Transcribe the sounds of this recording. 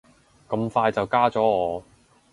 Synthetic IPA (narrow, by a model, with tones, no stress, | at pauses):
kɐ˧mfaː˧jt͡sɐ˨wkaː˥t͡sɔː˨˥ɔː˨˧